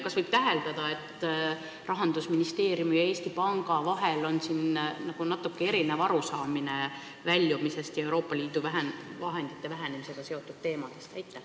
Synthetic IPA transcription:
kɑsvɤjb̥̚t̪æɦe̞ld̪̥ɑd̪̥ɑe̞t̪ːˑ | rɑɦɑnd̪̥usminist̪e̞ːɾjumijɑe̞ːst̪ipɑŋɡ̥ɑvɑɦe̞lo̞nsinnɑɡ̥unɑt̪ːˑukːee̞ɾinevɑɾusɑːmine | vælʲːjumise̞st̪jɑe̞wɾo̞ːpˑːɑlʲiːd̪̥uvæɦenvɑɦe̞nd̪̥it̪ːˑe̞væɦænemise̞ɡ̥ɑse̞o̞t̪ːˑud̪̥̚t̪e̞ːmɑd̪̥e̞st̪æjt̪ːˑe

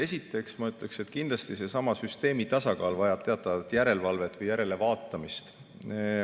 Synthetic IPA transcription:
e̞sit̪ːˑe̞ksmɑyt̪ˑle̞kse̞t̪ːˑkind̪̥lɑst̪ise̞sɑmɑsyst̪e̞ːmit̪ɑsɑkɑːlvɑjɑb̥t̪e̞ɑt̪ːˑɑvɑt̪ːˑjæɾe̞lvɑlvet̪vɤjæɾe̞le̞vɑːt̪ːˑɑmist̪

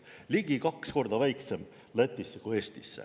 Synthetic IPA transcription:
liɡ̥ikɑksko̞rd̪ɑvæjkse̞m | let̪ːˑisːekue̞ːst̪isːḛ

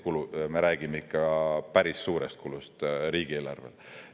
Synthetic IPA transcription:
kulume̞ɾæːɡ̥imeikˑːɑpæɾisːuːɾest̪̚kulust̪ɾiːɡ̥ie̞ːlɑ̰rvḛl

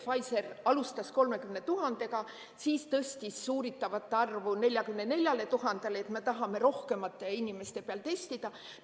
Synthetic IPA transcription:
fɑjse̞rɑlust̪ɑsko̞lme̞kymne̞t̪uɦɑnd̪̥e̞kɑ | siːst̪ɤst̪isːuːɾit̪ːˑɑvɑt̪ːeɑrvune̞lʲjɑkymne̞ne̞lʲjɑle̞t̪uɦɑnd̪̥eleet̪me̞t̪ɑɦɑme̞ɾo̞hke̞mɑt̪ˑːe̞inime̞st̪e̞peɑlt̪e̞st̪id̪̥ɑ

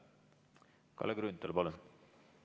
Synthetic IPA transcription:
kɑ̰leɡɾynt̪ˑːɑlpɑlun

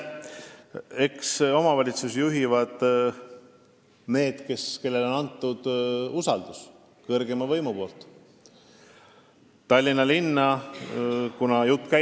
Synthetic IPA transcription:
e̞kso̞mɑvɑlʲit̪susjuɦivɑd̪̥ | ne̞ːd̪̥ke̞ske̞lːe̞lo̞nɑnt̪ːˑud̪̥usɑld̪̥us | kɤrɡe̞mɑvɤjmupo̞ːlt̪ˑ | t̪ɑlʲːinɑlinːɑ | kunɑjut̪ːˑkæ

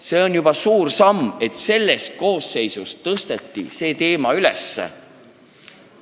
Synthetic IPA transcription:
se̞ːo̞njub̥ɑsuːrsɑme̞t̪se̞lːe̞st̪̚ko̞ːsːe̞jsust̪ːɤst̪e̞t̪ːḭse̞ːt̪e̞ːmɑylḛsːḛ

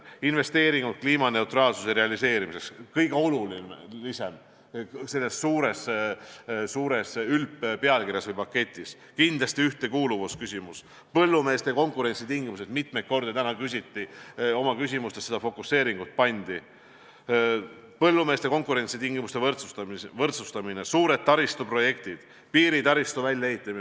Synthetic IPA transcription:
inve̞st̪e̞ːɾiŋɡut̪̚kliːmɑne̞ut̪rɑːlsu̥seɾe̞ɑlise̞ːɾimise̞kskɤjɡ̥eolulinlisem | se̞lːe̞sːuːɾes | suːɾesylppe̞ɑlkirʲjɑsvɤjpɑkːe̞t̪ʲːˑis | kind̪lɑsʲt̪iyht̪e̞kuːluvuskysʲimus | pɤ̞lːume̞ːst̪eko̞ŋkˑuɾe̞nʲsit̪iŋɡimused̪mit̪me̞jt̪̚ko̞rd̪it̪ænɑkys̬ʲit̪ːio̞mɑkys̬ʲimust̪essed̪ɑfo̞kːˑusːe̞ːɾiŋɡ̥ut̪̚pɑnʲd̪̥i | pɤ̞lːume̞ːst̪e̞ko̞ŋkuɾe̞nʲt̪sit̪iŋɡ̥imust̪e̞vɤrt̪sut̪ɑvɤrt̪sust̪ɑminesuːɾe̞d̪̥̚t̪ɑɾist̪upro̞je̞kt̪id̪̥ | piːɾit̪ɑɾist̪uvælʲjɑeɦit̪ːˑɑmi

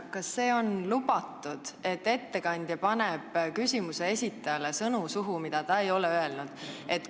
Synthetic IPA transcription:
kɑsːe̞ːo̞nlub̥ɑt̪ːˑud̪̥e̞t̪ːe̞t̪ːe̞kɑnʲd̪̥jɑpɑneb̥kysʲimuse̞e̞sʲit̪ːˑɑjɑle̞sɤnusuɦumid̪̥ɑt̪ɑe̞jo̞lɛøe̞lnud̪̥e̞t̪ː

